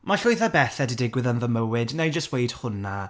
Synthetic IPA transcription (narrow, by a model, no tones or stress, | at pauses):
maɬʊjθabɛθɛdɪdɪɡwɪðənðəməwɪdnajd͡ʒəst̚wejd̥hʊnːa